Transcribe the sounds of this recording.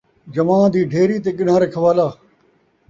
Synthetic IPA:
d͡ʒɐmãːd̪iːɖʱeːɾiːt̪eːɠɪn̤ãːɾekʰɐʋaːlaː

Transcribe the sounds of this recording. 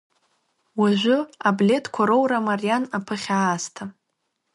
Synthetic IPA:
waʒʷʊablʲe̞tʰkʷʰaɾowɾamarijanapʰɨχʲaːstʰa

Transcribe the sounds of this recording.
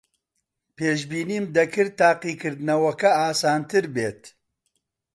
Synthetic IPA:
peːʃbiːniːmd̪ɐkʰɨɾ̚t̪aːqiːkɨɾd̪ɨnɐwɐkɐaːsaːnt̪ɨɾbeːt̪

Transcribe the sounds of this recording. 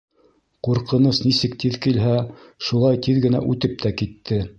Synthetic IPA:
quɾqɤ̆nɤsnisɘkt̪iðkilɦæʃulˠɑjt̪iðɡɘ̆næ̰ʔʉt̪ɘp̚t̪ʰækit̪ʰːɘ

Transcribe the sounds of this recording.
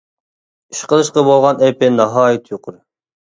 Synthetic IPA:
iʃqəlˠɨʃqɑbolˠʁɑnɛpɪnɑɦɑːjit̪ʰjoqʰʊɾ

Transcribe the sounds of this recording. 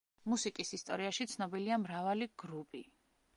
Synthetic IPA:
musikʼisist̪ʼɔ̰ɾiaʃit̪sʰnɔbiliamɾavaliɡ̥ɾupʼi

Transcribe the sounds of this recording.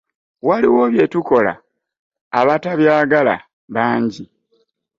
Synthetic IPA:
waliwo̞βje̞tuko̞la̰ː | βataβjaːɡala̰ | βaːɲɟi

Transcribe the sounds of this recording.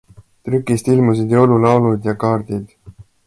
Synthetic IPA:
t̪ɾykːˑist̪ilmus̬id̪jowlulɑwlud̪jɑkɑːɾd̪id̪̥

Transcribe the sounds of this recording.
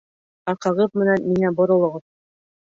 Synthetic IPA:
ɑqɑ̆ʁɤp̚mɘ̆nænmiŋæbŏɾŏlˠɤ̆ʁɤp̚

